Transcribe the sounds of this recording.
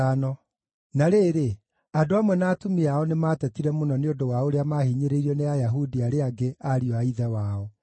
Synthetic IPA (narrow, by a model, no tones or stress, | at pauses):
anɔ | naɾeːɾe | adoamwɛnaːtumiaɔnemaːtɛtiɾɛmonɔneodowaoɾeamahiɲeɾeiɾɔneajaɦudiaɾeaɡeaɾiɔaiðɛwaːɔ